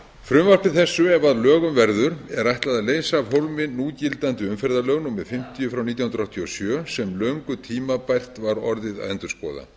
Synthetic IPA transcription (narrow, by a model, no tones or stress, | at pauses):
fɾʏmvarpɪθɛsːʏɛvaðlœːɣʏmvɛɾðʏɾ̥ɛɾajht̪laðaleːjsaːvɦowlmɪnːuːcɪlt̪ant̪ʏʏmfɛɾðalœɣnʏmːɛðfɪm̥t̪ijʏfɾawnit̪jahʏnɾawht̪ʰiɔsjœːsɛmlœŋkʏt̪ʰiːmapajr̥t̪vaɾɔɾðɪða̰ðɛnt̪ʏɾspɔ̰ːða̰